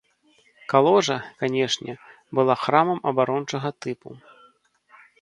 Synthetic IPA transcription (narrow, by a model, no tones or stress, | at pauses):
kalˠɔʐɐkanʲɛʂnʲɛ | bɨlˠaxɾamɐmʔɐbaɾɔnt͡ʂɐɣɐt̪ɨpu